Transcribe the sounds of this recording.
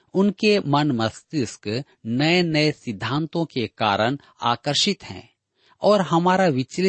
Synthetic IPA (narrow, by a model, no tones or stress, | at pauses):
ʊnkemɐnmɐst̪ɪsk | nɐenɐesɪd̪ʱːãːnt̪õkeka̰ːɾəɽ̃ | a̰ːkəɾʃɪt̪ɦɛ̰̃ː | ɔːɾɦɐmaːɾaʋɪt͡ʃlɪ